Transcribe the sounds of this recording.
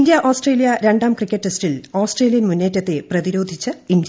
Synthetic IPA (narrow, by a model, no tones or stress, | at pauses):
nd̪jɐʔoːsʈreːlijɐɾe̞ɳɖaːmkrikʲːeʈːestiloːsʈreːlijɐnmunːe̞ːtːɐt̪ːe̞prɐðiɾoːd̪ʱit͡ɕːɨind̪j